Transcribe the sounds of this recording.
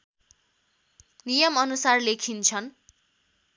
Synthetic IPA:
nijʌmʌnusarlekʰint͡sʰʌn

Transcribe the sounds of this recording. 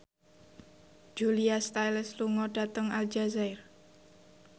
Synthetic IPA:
d͡ʒuliast̪ajləsluŋɔɖ̥a̤t̪əŋald͡ʒazaɪr

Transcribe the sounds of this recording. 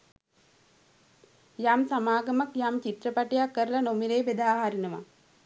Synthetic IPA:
jamsamaːɡɐmakjaːmt͡ʃit̪ɾəpaʈejakːəɾəlɐnomiɾeːbed̪aːɦaɾinəʋa̰

